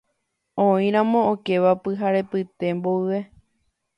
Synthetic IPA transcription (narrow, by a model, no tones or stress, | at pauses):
õĩɾ̃ãmõ̞oke̞ʋapɨɦaɾe̞pɨt̪e̞mboɨʋe̞